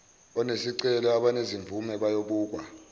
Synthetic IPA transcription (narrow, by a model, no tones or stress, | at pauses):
ɔnesiǀɛlɔaɓaneziɱvʱumɛɓajoɓuːk̬wa